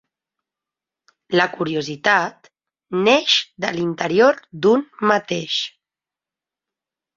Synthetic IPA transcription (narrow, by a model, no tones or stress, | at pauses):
ləkuɾiuzit̪at̪ | neʃd̪əlint̪əɾioɾd̪unmat̪eʃ